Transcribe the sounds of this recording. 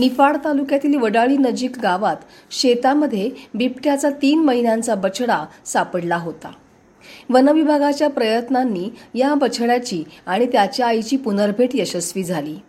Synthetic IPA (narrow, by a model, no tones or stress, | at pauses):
nifaɭt̪alukjat̪iːlʋəɽaɭiːnəd͡ʑiːkɡaʋat̪ | ɕet̪aməd̪ʱːjebipʈjat͡sat̪iːnməɦinjant͡sabət͡ɕʰɽasapəɽlaɦot̪a̰ | ʋənəʋibʱaɡat͡ɕjapɾəjət̪nanːiːjabət͡ɕʰɭjat͡ɕiːaɽ̃it̪jat͡ɕjaːjt͡ɕiːpunəɾbʱeʈjəɕəsʋiːd͡zʱaliː